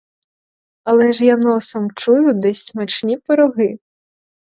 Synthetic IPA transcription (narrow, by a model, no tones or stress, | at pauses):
ɐlˠɛʒjanɔsɐmt͡ʃujʊd̪ɛsʲsmɐt͡ʃnʲipɔɾɔɦɪ